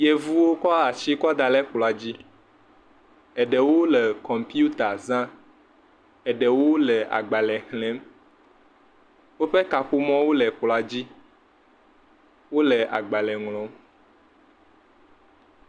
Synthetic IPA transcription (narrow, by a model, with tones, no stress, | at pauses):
je˨vu˦wo˦kɔ˦a˨t͡ɕi˦kɔ˦d̪a˨lɛ˦k͡plɔ˨a˨d͡ʑi˦ | ɛ˨ɖɛ˨wo˦lɛ˨kɔ˨mpi˦u˦t̪a˨zã˦ | ɛ˨ɖɛ˨wo˦lɛ˨a̰˨ɡ͡ba˨lɛ˨hlɛ̃˨˦m | wo˦ɸe˦ka˨ɸu˦mɔ̃˦wo˦lɛ˨k͡pla˨d͡ʑi˦ | wo˦lɛ˨ʔa̰˨ɡ͡ba˨lɛ˨ŋlɔ̃˨˦m